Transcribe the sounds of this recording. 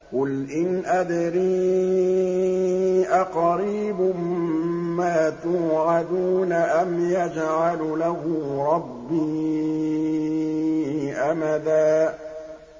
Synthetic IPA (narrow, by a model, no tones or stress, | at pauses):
qʊlʔɪnʔad̪ɾiː | ʔaqɑɾiːbʊmmaːt̪uːʕad̪unaʔamjad͡ʒʕallahʊɾˤɑbːiː | ʔamaðaː